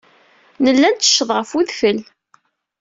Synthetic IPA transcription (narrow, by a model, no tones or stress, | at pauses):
nəlːænt͡s̪ːə̥ʃːəðˤʁəfuðfəl